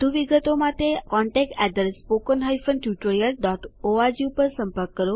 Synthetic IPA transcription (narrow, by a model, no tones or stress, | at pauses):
d̪ʱuʋiɡət̪omaʈ̪ekɔɳʈek̚ʈɛd̪əɾspokənɦajfənʈjuʈoɾijəlɖɔʈoad͡ʒupəɾsəmpəɾkːəɾo